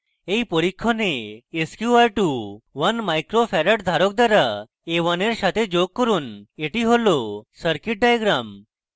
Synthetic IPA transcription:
ejpɔɾikʰːɔneːskjuaɾʈuʋənmajkɾopʰɛɾəʈd̪ʱaɾɔk̚d̪aɾa | eʋəneɾʃat̪ed͡ʒoɡ̚kɔɾuneʈiɦolɔsəɾkiʈ̚ɖajɡɾam

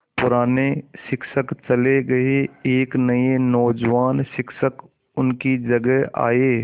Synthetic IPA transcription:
pʊɾaːneʃɪkʃəkt͡ʃɐleɡɐeeːknɐenɔːd͡ʒʋaːnʃɪkʃək | ʊnkid͡ʒɐɡəɦa̰ːeː

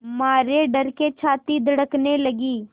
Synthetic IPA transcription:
maːɾeɖɐɾket͡ʃʰaːt̪id̪ɐɽəkneləɡiː

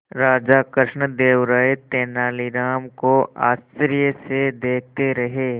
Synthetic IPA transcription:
ɾaːd͡ʒaːkɾɪʃɳəd̪eːʋɾaːjt̪eːnaːliɾaːmkoa̰ːst͡ʃɾijəsed̪eːk̚ʰt̪eɾɐɦeː

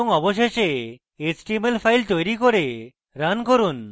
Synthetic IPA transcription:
ɔŋɔboʃ̬eʃe | esʈimelpʰajlt̪ojɾikoɾe | ɾankoɾun

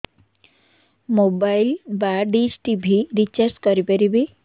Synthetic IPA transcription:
mobajlbaɖisʈibʱiɾit͡ʃaɾskɔɾipeɾibi

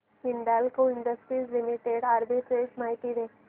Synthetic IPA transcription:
ɦiɳɖalkoɪɳɖəsʈɾiːzlimiʈeɖaːɾbiʈ̪ɾed͡ʒmajʈiɾe

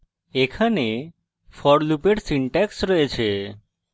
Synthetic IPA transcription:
ekʰane | fʰɔɽlupeʈsiɳʈaksɾɔet͡ɕʰe

